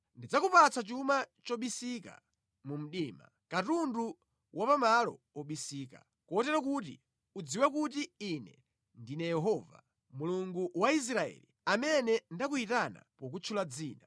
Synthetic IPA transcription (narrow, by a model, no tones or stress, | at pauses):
ndid͡zakupat͡sʰat͡ʃumat͡ʃɔɓisika̰ | mum̩ɗiːma̰ | katundu | wapamalɔ̰ | ɔɓisiːka̰ | kɔtɛɾɔkutḭ | ud͡ziwɛkutiinɛ | ndinɛjɛɦɔva̰ | muluŋɡuwais̬ɾaɛ̰li | amɛnɛndak̬uitana̰pɔk̬ut͡ʃʰulad͡ziːna